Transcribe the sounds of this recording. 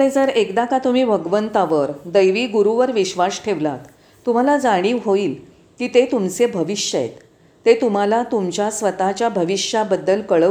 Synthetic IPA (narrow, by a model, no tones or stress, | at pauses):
ɽed͡zəɾekd̪akat̪um̤iːbʱəɡʋənt̪aʋəɾd̪əjʋiːɡuɾuʋəɾʋiɕʋasʈʰeʋlat̪ː | um̤alad͡zaɽ̃iːʋɦoiːl | kiːt̪et̪umt͡sebʱəʋiɕjəjḛt̪ː | et̪um̤alat̪umt͡ɕjasʋət̪at͡ɕjabʱəʋiɕjabəd̪ːəlkəɭə